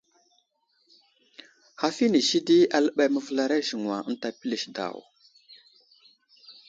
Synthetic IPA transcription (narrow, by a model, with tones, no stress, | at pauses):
ha˨fi˦ni˨ʃi˦di˦a˨lə˦ɓa˦jmə˨və˦la˨˦ɾa˦ʒi˨ŋwa˨˦n̩˦ta˨pi˦li˨ʃda̰˨w